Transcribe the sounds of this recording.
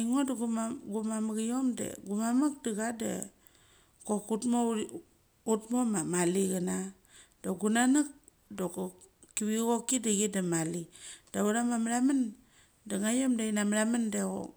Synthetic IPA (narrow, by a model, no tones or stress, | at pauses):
ŋodaɡumaɡumamaɡijomda̰ɡumamak̚diɣada̰ | kokutmo | utmomamaliɣana | doɡunanak̚ | doko | kiβiɣokidaɡidamalid̥auɾamamaɾaman | daŋajomdainamaɾamandeɣo̰